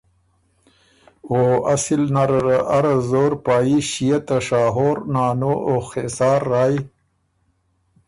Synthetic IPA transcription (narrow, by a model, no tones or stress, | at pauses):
oːasilnaɾɾaʔaɾazoːɾpaːiɕijat̪aʂaːɦoːɾnaːnoʔoxesɑːɾːaːi